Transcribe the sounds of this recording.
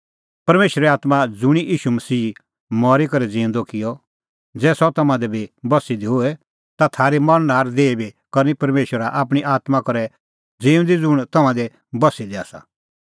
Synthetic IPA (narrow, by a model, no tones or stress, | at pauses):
pɐɾmeːʃɾɛaːt̪mad͡zʊɽ̃iʔiːʃumɐsiː | mɔːɾikɐɾɛd͡zĩːʊ̃nd̪ɔkɪjɔ | d͡zɛːsɔt̪ɐmãd̪ɛbʱibɐsid̪iɦoɛ | t̪at̪ʰaːɾimɐɽnaːɾd̪eːibikɐɾnipɐɾmeːʃwəɾaʔaːp̬ɽ̃iʔaːt̪makɐɾɛ | d͡ziːʊ̃nd̪id͡zʊɽ̃t̪ɐmãd̪ɛ | bɐsid̪ia̰ːsa̰